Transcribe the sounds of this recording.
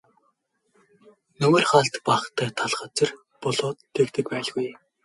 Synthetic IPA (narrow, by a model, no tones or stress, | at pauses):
nɵmĕːrχaɬt̪paχt̪ʰæːt̪ʰaɮχə̆t͡sə̆r | pɔɮʊːt̪ʰːekt̪ɘ̆k̚pæːɮɣuj